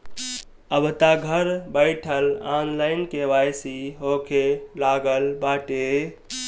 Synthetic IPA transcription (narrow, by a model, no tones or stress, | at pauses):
əbʱt̪aɡʱəɾbəɪʈʰəlanlaɪnkeʋajsiɦokʰelaɡəlbaʈe